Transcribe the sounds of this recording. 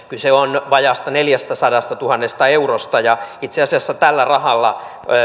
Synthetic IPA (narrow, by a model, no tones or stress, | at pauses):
kylseonʋɑjɑst̪ɑneljæst̪æsɑdɑst̪ɑt̪uhɑnːest̪ɑeurost̪ɑjɑit̪seɑsiɑsːɑt̪ælːærɑhɑlːɑ̰